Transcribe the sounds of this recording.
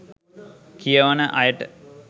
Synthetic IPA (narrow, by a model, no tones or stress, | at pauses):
kʰijɐʋɐnəʔɐjɐʈ